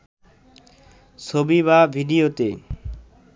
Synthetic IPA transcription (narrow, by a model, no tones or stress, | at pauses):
t͡ʃʰobiβabʱiɖiot̪e